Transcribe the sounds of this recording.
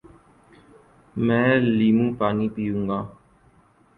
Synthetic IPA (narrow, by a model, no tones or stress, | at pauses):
mɛ̃ːliːmũːpaːniːpiːjũːŋɡaː